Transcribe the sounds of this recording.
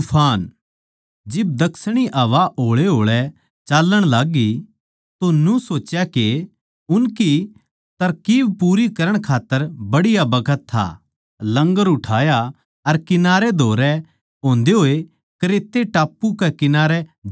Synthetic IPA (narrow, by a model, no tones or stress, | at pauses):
ʊpʰaːn | d͡ʒɪb̚d̪ɐksɽ̃iʔɐʋaʔoːɭeɦoːɭɛ | t͡ʃaːlːəɽ̃laːɡi | t̪onũsoːt͡ʃjake | ʊnki | t̪ɐɾkiːʋpuːɾikɐɾəɽ̃kʰaːt̪ːəɾbɐɽɪjabɐkʰət̪ʰːa̰ | lɐ̃ŋɡəɾʊʈʰaːja | ɐɾkɪnaːɾed̪ʱoːɾɛ | ɦõːnd̪eɦoːe | kɐɾeːt̪ːeʈaːpːukɛkɪnaːɾɛ